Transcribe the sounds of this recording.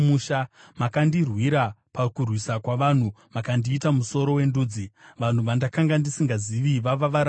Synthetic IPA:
uːʃamakandirwiɾapakurwisakwaʋan̤u | makandiːtamuso̞ɾo̞we̞nduːd͡ziʋan̤uʋandakaŋɡandisiŋɡaziʋiʋaʋaʋaɾa

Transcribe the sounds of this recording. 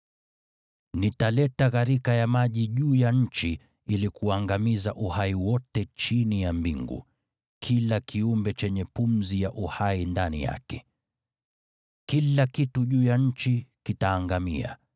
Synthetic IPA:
nitalɛtaɣaɾikajamaʄiʄuːjaɲ̩t͡ʃi | ilikuaŋɡamizaʔuhaiwɔtɛt͡ʃinijambḭŋɡṵ | kʰilakʰiumbɛt͡ʃɛɲɛpum̩zijaʔuhaindanḭja̰kɛ̥ | kilakituʄuːjaɲ̩t͡ʃikitaːŋɡamḭa̰

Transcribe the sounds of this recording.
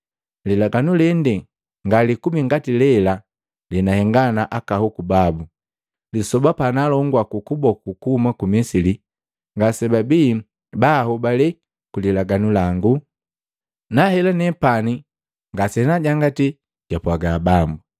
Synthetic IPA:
lilaɡanulɛndɛ | ŋɡalikumiŋɡatilɛla | lɛnahɛŋɡanaʔakahukubabu | lisɔbapanalɔŋɡwakukubɔkukuhumakumɛsili | ŋɡasɛbabiː | bahubalɛ | kulilaɡanulaŋɡu | nahɛlanɛpani | ŋɡasɛnaɟaŋɡati | ɟ̥apwaɡabambu

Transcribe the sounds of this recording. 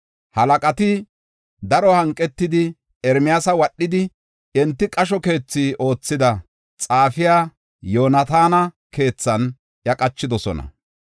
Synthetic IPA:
hɐlɐkʼɐt̪ɪ | d̪ɐɾɔhɐŋkʼːɛt̪ːɪd̪ɪ | ɛɾmɪjaːsɐwɐɗːɪd̪ɪ | ɛnt̪ːɪkʼɐʃ̬ɔke̞ːt͡sːiːʔo̞ːt͡sːɪd̪ɐ | t͡sʼaːfɪjaː | jo̞ːnɐt̪aːnɐ | ke̞ːt͡sːɐn | jɐkʼɐt͡ʃːɪd̪ɔsɔ̰nɐ̰

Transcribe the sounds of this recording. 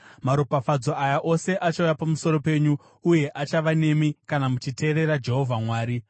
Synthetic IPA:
maɾupafad͡zo̞ʔajaʔo̞se̞ʔat͡ʃaujapamuso̞ɾo̞pe̞ɲuː | je̞ʔat͡ʃaʋane̞mikanamut͡ʃite̞ːɾe̞ɾad͡ʒe̞ɦo̞vʱamwaːɾi

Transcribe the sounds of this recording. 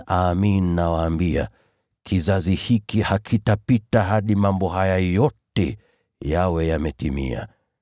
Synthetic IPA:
aminnːawaːmbia̰ | kʰizazihikihakʰitapitaɦaɗimambɔɦajajɔtɛ | jawɛjamɛtimḭa̰

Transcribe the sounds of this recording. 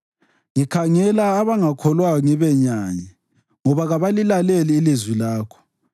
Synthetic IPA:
ŋikʰaŋɛlaːβaŋakʰɔlwaɔŋɛβɛɲaɲɛ | ŋɔβaɣaβalilaleliːlizwilaːkʰɔ̥

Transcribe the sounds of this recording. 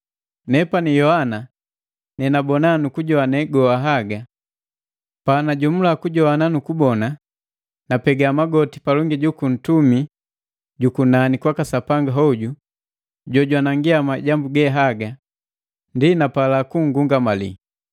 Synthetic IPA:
nɛpanijɔhana | nɛnabɔnanukuɟɔanɛɡɔaɦaɡa | panaɟɔm̩lakuɟɔananukubɔna | napɛɡamaɡɔti̥palɔŋɡiɟukun̩tumi | ɟukunanikwakasapaŋɡaɦɔɟu | ɟɔɟwanaŋɡiamaɟambuɡɛɦaɡa | ndinapalakuŋ̩ɡuŋɡamalḭ

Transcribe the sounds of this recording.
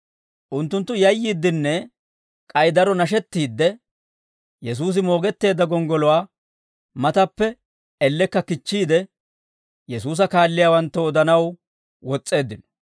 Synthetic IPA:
ʔʊnt̪ːʊnt̪ːʊjɐjːiːd̪ːɪnːɛ | kʼɐjd̪ɐɾɔnɐʃ̬ɛt̪ːiːd̪ːɛ | jɛs̬uːs̬ɪmo̞ːɡɛt̪ːe̞ːd̪ːɐɡɔŋɡɔlʊwaː | mɐt̪ɐpːɛ | ɛlːɛkːɐkɪt͡ʃːiːd̪ɛ | jɛsuːs̬ɐkaːlːɪjaːwɐnt̪ːɔɔd̪ɐnɐw | wɔt͡sʼːe̞ːd̪ːɪnɔ̥

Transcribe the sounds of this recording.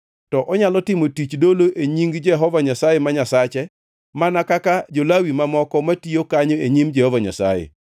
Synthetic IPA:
tɔʔɔɲalɔtɪmotit͡ʃdoloʔeɲiŋɡd͡ʒɛɦɔvaɲasajɛmaɲasat͡ʃɛ | manakakad͡ʒolawimamɔkɔmatijokaɲoeɲimd͡ʒɛhɔvaɲa̰sa̰jɛ̰

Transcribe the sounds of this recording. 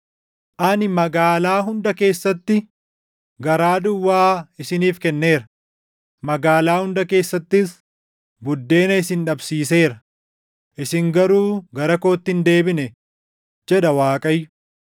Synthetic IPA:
ʔɐnɪmɐɡaːlaːɦʊnd̪ɐke̞ːsːɐt̪ːɪ | ɡɐɾaːd̪ʊwːaːɪsɪniːfkɛnːe̞ːɾɐ | mɐɡaːlaːhʊnd̪ɐke̞ːsːɐt̪ːɪs | bʊd̪ːe̞ːnɐɪsɪnᶑɐbsiːse̞ːɾɐ | ʔɪsɪŋɡɐɾuːɡɐɾɐko̞ːt̪ːɪnd̪e̞ːbɪnɛ | d͡ʒɛᶑɐwaːkʼɐjːʊ

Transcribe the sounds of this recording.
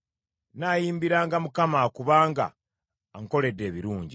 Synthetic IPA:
najiːmbiɾaːŋɡamukamakuβaːŋɡa̰ː | ŋko̞le̞dːe̞ːβiɾuːɲɟi

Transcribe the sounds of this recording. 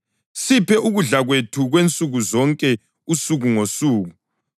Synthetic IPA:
sipʰɛʔuɣuɮaɣwetʰuɣwent͡sʼuɣuzɔŋkʼɛ | usuɣuŋosuːɣu

